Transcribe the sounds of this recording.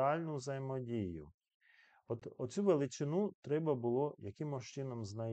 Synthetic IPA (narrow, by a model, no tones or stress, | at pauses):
ɑlʲnʊwzɐjmɔdʲijʊ | ɔt̪ɔt͡sʲuʋelˠɪt͡ʃɪnut̪ɾɛbɐbʊlˠɔjɐkɪmʊʃt͡ʃɪnɔmznɐ